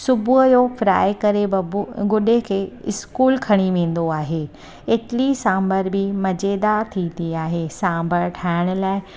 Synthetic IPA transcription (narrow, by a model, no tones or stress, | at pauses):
sʊbʱuəjofɾa̰ːɪkɐɾebɪɡʊɗekʰeːɪskuːlkʰɐɽ̃iʋẽːn̆d̪oaːɦeː | eːʈɪlisãːmbʱəɾbɪmɐd͡ʑeːd̪at̪ʰĩːnd̪iaːɦeːsãːmbʱəɾʈʰaːɪɽ̃ʊ̆laːɪ